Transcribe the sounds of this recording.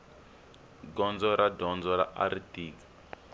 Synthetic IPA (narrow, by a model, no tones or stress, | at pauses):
ɡɔnd͡zɔɾadɔnd͡zɔɾa̰ʔa̰ɾitiːki̥